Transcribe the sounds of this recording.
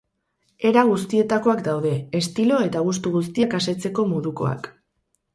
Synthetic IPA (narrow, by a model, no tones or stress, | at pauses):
e̞ɾaɣ̞us̬t̪ie̞t̪ako̞akd̪awðe̞ːst̪ilo̞e̞t̪aɣ̞us̬t̪uɣus̬t̪iekase̞t͡se̞ko̞moðuko̞̰a̰k